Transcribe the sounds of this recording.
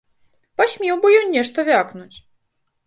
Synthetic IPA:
pasʲmʲɛwbɨjɔnʲnʲɛʂt̪ɐvʲaknut͡sʲ

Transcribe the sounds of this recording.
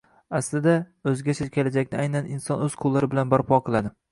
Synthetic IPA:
aslɪd̪aɵzɡʲat͡ʃʰɪɾkʲʰelad͡ʒakʲnɪajnanɪnsɒnɵz̥qʰʊlˠːaɾɪbɪlanbaɾpʰɒqʰɨlˠad̪ɪ

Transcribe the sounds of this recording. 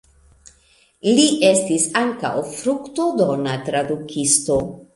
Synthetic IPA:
liʔe̞stisaŋka̰wfɾukt̪od̪onat̪ɾad̪ukisto̞

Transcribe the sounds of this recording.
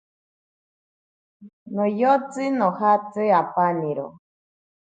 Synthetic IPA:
nojot͡sɨnohat͡sɨapaniɾo̰

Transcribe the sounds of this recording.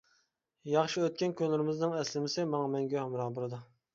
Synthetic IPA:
jɑχʃiøt̪̚kʲɛnkʲʰønlːɪɾɪmɪznɨŋɛslɪmɪsɪmɑŋɑmɛŋɡʲɛmɾɑːbɨɾɨd̪ɨ

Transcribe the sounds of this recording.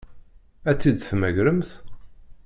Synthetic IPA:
æt͡sːid̪θmæʝɾəmθ

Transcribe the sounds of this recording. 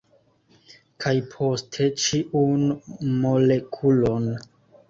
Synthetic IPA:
kʰajpʰo̞stʰe̞t͡ʃiʔunmo̞le̞kʰulo̞n

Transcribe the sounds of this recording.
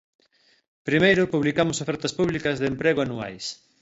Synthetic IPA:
pɾimejɾʊpuβlikamʊsofɛɾt̪ɐspuβlikɐzðempɾeɣoanua̰js

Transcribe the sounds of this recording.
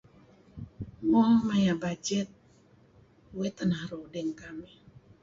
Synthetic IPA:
mɔmajabad͡ʒɛt̪̚ | uwɛt̪ənahrodɛŋkamɛ

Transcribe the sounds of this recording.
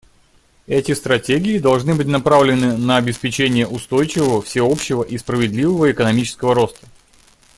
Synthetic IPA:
ɛtʲɪst̪ɾɐtʲeɡʲɪːd̪ɐlˠʐnɨbɨtʲnɐpɾavlʲɪnɨnəɐbʲɪspʲɪt͡ɕenʲɪjəʔʊst̪o̞jt͡ɕɪvəvəfsʲɪo̞pɕːɪvəʔispɾəvʲɪd̪lʲivəvəɪkənɐmʲit͡ɕɪ̥skəvəɾo̞st̪ə̥

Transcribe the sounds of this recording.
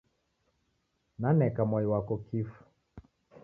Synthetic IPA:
nanɛkamɔjiwakɔkʰifu̥

